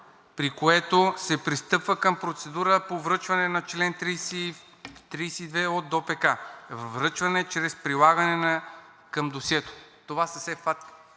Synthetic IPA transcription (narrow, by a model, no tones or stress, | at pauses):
pɾikoɛt̪osɛpɾist̪ɤpvəpkəmpɾot̪sɛd̪uɾəpovɾɤt͡ʃvɐnɛnɐt͡ʃlɛnt̪ɾisi | t̪ɾiːsid̪vɛod̪ːopɛkavɾɤt͡ʃvɐnɛt͡ʃɾɛspɾilˠaɡɐnɛnɐ | kəmd̪osɛt̪o̥t̪ovasɐsɛfat̪